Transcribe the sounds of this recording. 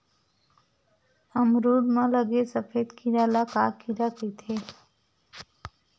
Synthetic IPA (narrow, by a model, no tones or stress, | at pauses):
əmɾuːɽmãləɡesəpʰeːd̪kʰiɾalakaːkiɾaket̪ʰeː